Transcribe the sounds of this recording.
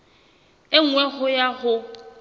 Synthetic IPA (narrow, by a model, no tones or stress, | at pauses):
ɪŋ̩ŋwɛhʊjahʊ